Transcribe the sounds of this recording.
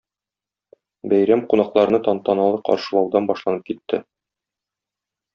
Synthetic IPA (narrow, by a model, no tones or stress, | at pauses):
bæjɾæmqunɑqlˠɑɾɤ̆nɤt̪ɒnt̪ɑnɑlˠɤqɒ̰ɾʃɤlˠɒwd̪ɑnbɒʃlˠɑnɤp̚kit̪ːɘ̰